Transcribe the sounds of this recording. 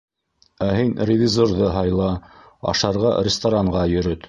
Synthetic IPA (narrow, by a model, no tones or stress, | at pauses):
æɦinrʲɪvʲizorðɤɦɑjlˠɑ | ɑ̰ʃɑɾʁɑɾʲɪst̪aɾaɴʁɑjɵ̆ɾɵt̪